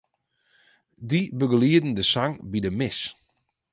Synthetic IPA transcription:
dibəɡəliədn̩dəsaŋbidəmɪs

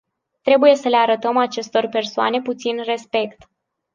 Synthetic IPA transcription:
t̪ɾe̞buje̞səle̞aɾət̪əmat͡ʃe̞st̪o̞rpe̞rsoa̰ne̞put̪sinre̞spe̞kt̪

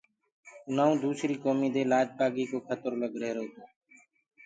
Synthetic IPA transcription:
naːũːd̪uːsɾiːkoːmiːd̪eːlaːd͡ʒpaːɡiːkoːkʰət̪əɾləɡɾeːɾoːt̪oː

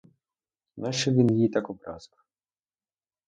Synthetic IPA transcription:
naʃɛʋʲinjit̪akɔbɾɑ̰zk

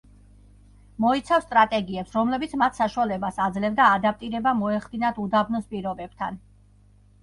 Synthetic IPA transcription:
mɔit̪sʰafst̪ʼɾat̪ʼɛɡiɛpsɾɔmlɛbit̪sʰmat̪ʰsaʃuwalɛbasad̪zlɛvd̪aːd̪ap̚t̪ʼiɾɛbamɔɛχd̪inat̪ʰud̪abnɔspʼiɾɔbɛb̥̚t̪ʰa̰n

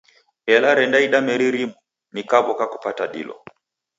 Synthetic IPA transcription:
ɛlaɾɛndaiɗamɛɾiɾimu | nikaβɔkaku̥pataɗḭlɔ̰

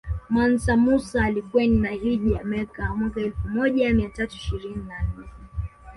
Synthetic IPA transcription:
mansamusaːlikuɛninaiʄiamɛkamwakaɛlfumɔʄamiatatuiʃiɾininanɛ

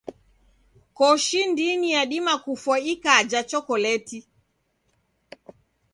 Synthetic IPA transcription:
kɔʃindinijaɗimakufwaikad͡ʒat͡ʃɔkɔlɛti

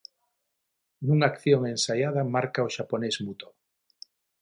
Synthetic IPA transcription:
nũŋakθjoŋensajað̞amaɾkaoʃaponezmut̪o

